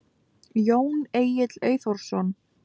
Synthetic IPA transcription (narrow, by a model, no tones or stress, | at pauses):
joːwneːjɪt̪leːɥjθɔɾ̥sɔn